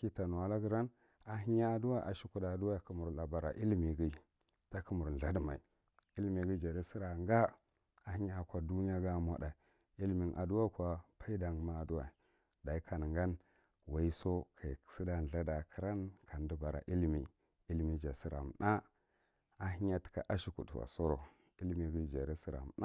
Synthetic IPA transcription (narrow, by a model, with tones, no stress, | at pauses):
ki˦ta˨nu˨wa˨la˦ɡi˦ɾa˦n | a˨ɦi˦ɲa˦˨du˦wa˦ʔa˨ʃi˦ku˦da˨du˦wa˦˨ki˦mu˨ɾla˨ba˨ɾa̰˨ʔi˦lmi˨ɡi˦ | ta˦ku˦mu˨ɾn˨ɮa˦dma̰˨ḭ˨ | i˦lmi˨ɡi˦d͡ʒa˨ɾi˦si˦ɾa˨ŋɡa˦ | a˨hi˦ɲa˦˨kʷa˨du˦ni˦a˦ɡa˦˨mʷa̰˨da˨ | i˦lmi˨nʔa̰˨du˦wa˦kʷa˨pʰa˦i˦da˨ŋɡma˦˨du˦wa˨ | da˨i˦kʰa˨n˨ŋɡa˦n | wa˨i˦so˦kʰa˨ksi˦da˦n˨ɮa˦da˨kʰi˦ɾa˦nkʰa˨n˦du˦ba˨ɾa̰˨ʔi˦lmi˨ | i˦lmi˦d͡ʒa˨si˦ɾa̰˨m˨nʔa˦ | a˨ɦi˦ɲa˦ti̥˨ka̰˨ʔa˦ʃi˦kṵ˨da̰˨so˦ɾo˨ | i˦lmi˨ɡi˦˨d͡ʒa̰˨ɾe˦si˦ɾa̰˨m˨na˦